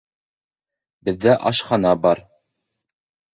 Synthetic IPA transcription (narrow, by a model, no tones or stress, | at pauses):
bɘ̆ðːæʔɑʃχɑnɑbɑɾ